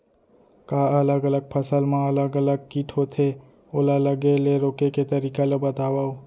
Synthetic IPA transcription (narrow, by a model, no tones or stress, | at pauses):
kaələɡələɡ̚pʰəsəlmẽɐləɡələɡ̚kiʈʰot̪ʰe | olaləɡeleɾoːkeket̪əɾiːkalebət̪aːwao